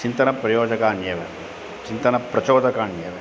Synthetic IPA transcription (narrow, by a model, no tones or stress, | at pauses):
t͡ʃint̪ɐnɐpɾɐjoːd͡ʒɐkaːnjɐʋe | t͡ʃint̪ɐnɐpɾɐt͡ʃoːd̪ɐkaːɳjɐʋe